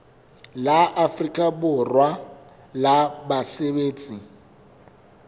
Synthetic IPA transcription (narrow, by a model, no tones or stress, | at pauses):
laʔafrikʼabʊrwa | labaseβeːt͡sʼi